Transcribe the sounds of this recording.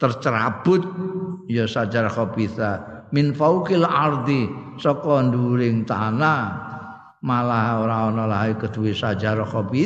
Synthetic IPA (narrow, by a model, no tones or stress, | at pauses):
t̪ərt͡ʃəɾab̥ʊt̪̚jɔsad͡ʒaɾaxɔbiθamɪnfawkɪlard̪i | sɔkɔnd̪uɾɪŋt̪a̰na | malaɦaoɾaɔnɔlaɦikəd̪̥uwisad͡ʒaɾɔxɔbi